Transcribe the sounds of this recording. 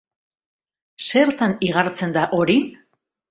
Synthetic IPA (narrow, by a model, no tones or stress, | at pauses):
se̞ɾt̪aniɣ̞aɾt͡se̞nd̪aʔo̞ɾi